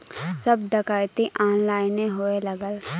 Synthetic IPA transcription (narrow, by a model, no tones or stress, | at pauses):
sɐb̚ɖəkaːjt̪iʔaːnlaːɪneɦoelɐɡəl